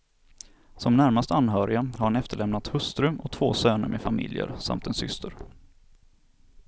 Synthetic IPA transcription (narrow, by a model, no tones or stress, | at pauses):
sɔmnæɾmast̪əanɦœːɾɪaɦaɾhanɛft̪əɭɛmnat̪hɵst̪ɾɵmɔt̪ʰvoːsøːnəɾmʔɛfamɪ̰ljə̰ɾsa̰mt̪ɛnsʏ̰st̪ʰəɾ